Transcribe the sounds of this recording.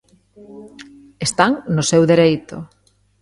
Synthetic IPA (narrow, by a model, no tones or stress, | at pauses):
est̪aŋnʊsewðeɾejt̪ʊ̰